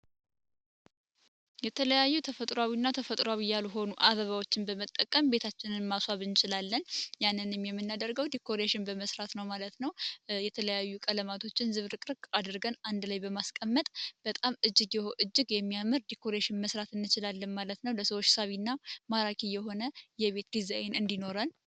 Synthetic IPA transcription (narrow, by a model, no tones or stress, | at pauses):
jɛt̪ʰələjajːut̪ʰəfət̪ʼɾawinːat̪ʰəfət̪ʼɾʷwawijaluɦo̞nuʔaβəβawo̞t͡ʃːɪnbəmət̪ʼːəkʼːəmbe̞t̪ʰat͡ʃːɪnɨnmaswaβɨnt͡ʃɪlalːənjanːɨnɨmjɛmːɨnːad̪əɾɡəwd̪ikʰːo̞ɾeʃɪnbəməsɾat̪nəwmalət̪nəwjɛt̪ʰələjajːukʼələmat̪ʰo̞t͡ʃːɪnzɨβɾɨkʼɾɨkʼad̪ɾɡənand̪lajbəmaskʼəmːət̪ʼb̥ət̪ʼamɨd͡ʒːɨɡjɛhoʔɨd͡ʒːɨɡjɛmːijamɨɾd̪ikʰo̞ɾeʃɪnməsɾat̪ɨnːɨt͡ʃɪlalːənmalət̪nəwləsəwot͡ʃːsaβinːamaɾakʰijɛɦo̞nəjɛβe̞t̪d̪izajenɨnd̪ino̞ɾən